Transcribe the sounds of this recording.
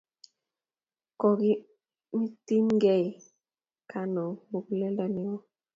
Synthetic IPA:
kɔ˨ɡi˦ | mi˦ti˦mŋɡɛ˦˨j | ka˦nɔ˨mu˨klɛ˦lda˦ni˨˦ɔ˦

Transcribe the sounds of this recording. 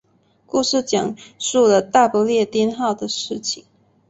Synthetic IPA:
ku˥˧ʂɻ̩˥˩t͡ɕjɑ˨˩ŋʂu˥˩lə˩t̪a˥˩pu˧˥ljɛ˥˩t̪jɛ˥nxɑ˥˩ʊd̪ə˩ʂɻ̩˥˩t͡ɕʰi˨˩˦ŋ

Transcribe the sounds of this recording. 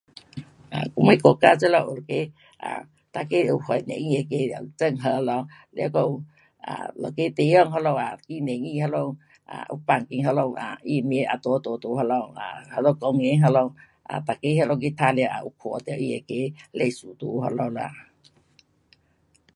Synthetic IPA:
ʔa˨ku˧˦ŋe˧˦ko˧˨ka˧t͡sə˦la˧˨ʔlo˨ke˧˦ | ʔa̰˨ | t̪a˧˨ke˦u˨˧hɔ˨˩jnḛ˨ŋi˧e˧˨ke˧˦la̰˧˨t͡sə˧˨ŋɦə˧lɔ˧la̰˧˨kɔ˧˨˧ | a̰˨lɔ̰˨ke˦t̪e˧˦jə˧˨ŋɦɔ˧lɔ˧˨a˨ki˧˦ne˨ŋi˧˨ha˧lɔ˧˨w | ʔa̰˨ʔṵ˧˦pa˧˩ŋki˧˨ŋɦə˧lɔ˧˨wa̰˨i˧˨m˧˦ʔa˨t̪ɔ˧˦t̪o˧˦t̪u˧˦hɔ˧lɔ˧˩wa̰˨˩ha˧˦lɔ˧˨kɔ˧ŋe˧˦ɦə˧lɔ˧˨w | a̰˨t̪a˨ke˧˦ɦlɔ˧k̬i˧˦t̪ʰa˧la˧˨ʔa̰˧ʔu˧kʰɔ˨˧t̪a˨˩wʔi˧e˨ke˧˦le˧˨su˨˩t̪u˧ɦɔ˧lɔ˧˨la̰˧˨

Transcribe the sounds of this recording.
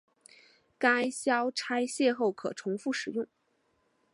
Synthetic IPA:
ka˥ɪɕjɑ˥ʊʈ͡ʂʰa˥ɪɕjɛ˥˧xo˥˩ʊkʰɤ̰˨˩ʈ͡ʂʰʊ˧˥ŋfu˥˩ʂɻ̩˨˩jʊ˥˩ŋ

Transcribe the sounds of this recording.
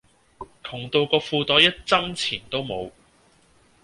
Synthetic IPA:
kʰʊ˨˩ŋt̪o˧wkɔː˧fuː˧t̪ɔː˨˥jɐ˥t̚t͡sɐ˥ŋt͡sʰiː˨˩nt̪o˥wmo̰˨˧w

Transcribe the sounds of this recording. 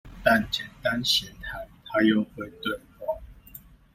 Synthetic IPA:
t̪a˥˨nt͡ɕjɛ˨˩nt̪a˦nɕjɛ˨˥t̪ʰa˨˦ɪt̪ʰa˦jo˥˨ʊxwe˥˨ɪt̪we˥˨˩ɪxwɑ˥˩

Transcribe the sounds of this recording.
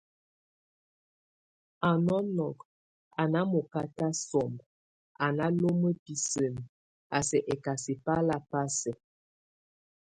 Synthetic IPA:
a˨nɔ˦nɔ˨k | a˨na˦mo˨ka˦ta˦sɔ˨mb | a˨na˦lo˦mə˦pi˨sə˨n˨ | a˨sɛ˨ʔɛ˨ka˨si˨pa˦la˦pa˦sɛ˨

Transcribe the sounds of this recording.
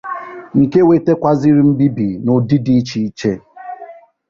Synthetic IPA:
ŋ̩˨ke˦we˨te˦kʷa˦zi˦ɾi˦m̩˦bi˦bi˨no˨di˦di˦t͡ʃi˦t͡ʃe˦

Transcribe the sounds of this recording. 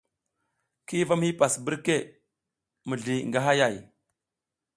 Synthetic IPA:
ki˦va˦mhi˦pa˨sbi˦ɾke˦˨ | mə˨ɮi˨ŋɡa˦ɦa˦ja˦˨j

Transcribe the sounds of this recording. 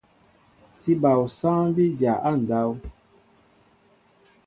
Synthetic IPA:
si˦ba˨wsã˦vi˦d͡ʒa˨ʔa˦˨n̩˨da˦w

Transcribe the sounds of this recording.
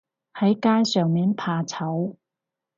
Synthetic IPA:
hɐ˨˥jkaː˥jsœː˨ŋmiː˨npʰaː˧t͡sʰɐ˨˥w

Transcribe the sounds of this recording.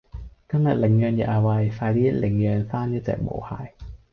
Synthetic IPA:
t̪ʰa˥˩ŋna̰˨˩lɛ˨˩˦ŋːəː˧nja̰˨˩ʔa˧wa˧jfaː˧jliː˥˩˥le˨˩˦ŋːəː˧nsaː˥˩njaː˧˥˩t͡ɕɛ̰ː˨˩k̚bo̰ː˨˦hʰa̰ː˨˩˦j

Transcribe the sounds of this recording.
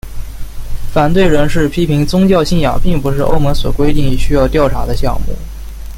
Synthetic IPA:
fa˨˩nt̪we˥˩ɪɻə˧˥nʂɻ̩˥˩pʰi˥pʰi˧˥ŋt͡sʊ˥ŋt͡ɕjɑ˥˧ʊɕi˥˩njɑ̰˨˩ŋpi˥˩ŋpu˧˥ʂɻ̩˥˧ʔo̰˥˩ʊmɤ˧˥ŋswɔ̰˨˩kwe˥ɪt̪i˥˩ŋ˨˩ɕy˥jɑ˥˧ʊt̪jɑ˥˩ʊʈ͡ʂʰa̰˧˥d̪ə˧ɕjɑ̰˥˧ŋmṵ˥˩

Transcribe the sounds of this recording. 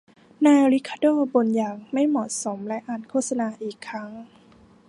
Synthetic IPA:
naː˧jɾi˦˥kʰːa˧˩doː˥˩bo˧njaː˨˩ŋ̚ma˥˩jmɔː˨˩so˩˦mlɛ˦˥ʔaː˨˩nkʰoː˥˩t̪̚sa˧naː˧ʔiː˨˩kʰːɾa˦˥ŋ

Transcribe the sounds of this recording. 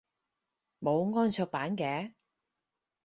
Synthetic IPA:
mo˨˧wŋɔː˥nt͡sʰɵː˧k̚paː˨˥nkɛː˨˧

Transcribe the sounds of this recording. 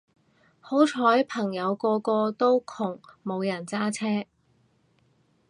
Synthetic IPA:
ho˨˥wt͡sʰɔː˨˥jpʰɐ˨˩ŋjɐ˨˧wkɔː˧kɔː˧t̪o˥wkʰʊ˨˩ŋmo˨˧wjɐ˨˩nt͡saː˥t͡sʰɛː˥

